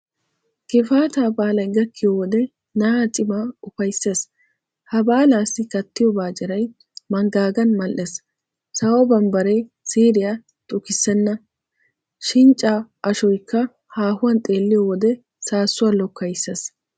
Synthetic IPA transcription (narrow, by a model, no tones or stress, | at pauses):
kɪfaːt̪aːbaːlɐjɡɐkːɪjɔwɔd̪ɛ | naːt̪ʼɪmaʊfɐjsːeːs | hɐbaːlaːsːɪkɐt̪ːɪjɔbaːt͡ʃʼɪɾɐj | mɐŋɡaːɡɐnmɐlʔɛs | sɐwɔbɐmbɐɾej | siːɾɪja | t̪ʼʊkɪsːɛnːɐ | ʃɪnt͡ʃʼːaːʔɐʃɔjkːɐ | haːhʊwɐnt̪ʼe̞ːlːɪjɔwɔd̪ɛ | saːsːʊwaːlɔkːɐjsːes